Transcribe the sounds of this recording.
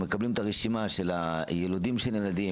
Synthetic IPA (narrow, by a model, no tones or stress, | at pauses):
mekablimet̪aʁeʃimaʃela | jelod̪imʃelelad̪i